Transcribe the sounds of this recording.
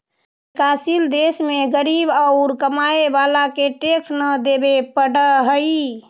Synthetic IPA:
kasild̪esmeɡəɾibəʊɾkəmaeʋalakeʈeksnəd̪ebepəɽəɦəi

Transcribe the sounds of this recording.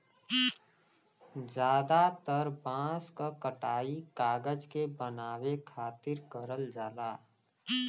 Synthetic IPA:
d͡ʒjaːd̪at̪əɾbãːskakəʈaːikaːɡəd͡ʒkebənaːwekʰaːt̪ɪɾkəɾəld͡ʒaːlaː

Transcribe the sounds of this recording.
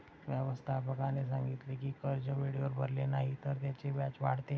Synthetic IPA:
ʋjəʋəst̪ʰapəkanes̬ãŋɡit̪lekikəɾd͡ʑəʋeɽiəɾbʱəɾlenaɦit̪əɾt̪jat͡ɕebat͡ɕʋa̰ɽ̤t̪e

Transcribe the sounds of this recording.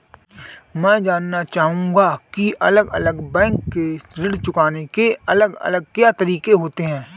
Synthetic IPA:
mɛ̃ːd͡ʒaːnːat͡ʃaːɦũːŋɡakiʔɐləɡɐləɡbɛ̃ːŋkːesɾɪɽt͡ʃʊkaːnekeɐləɡɐ̰ləɡ̚kjat̪ɐɾiːkeɦoːt̪eɦɛ̃ː

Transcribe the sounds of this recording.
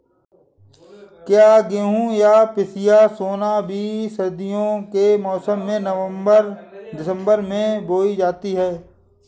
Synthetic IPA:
kjaːɡeːɦũjaːpɪsɪjasoːnabʱiːsəɾd̪ɪjõkemɔːsəmːẽnəəəɾd̪ɪsə̃mbəɾmẽboːid͡ʒaːt̪iɦɛː

